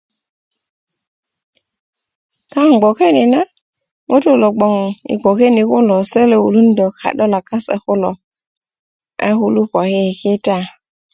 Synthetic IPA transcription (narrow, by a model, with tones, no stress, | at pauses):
ka˦˨ŋ˨ɡ͡bɔ˨ke˦ni˨na˦ | ŋo˦to˦˨lɔ˨ɡ͡bɔ˨ŋḭ˨ɡ͡bɔ˨ke˦ni˨ku˦lɔ˨sɛ˦le˨ṵ˨lu˦n̩˦dɔ˨kʰa̰˨ɗɔ˦la˨ka˦sɛ̰˨kʊ˦lɔ̰˨ | a̰˦hu˦lu˦pɔ˨hi˦˨ki˦ta˦˨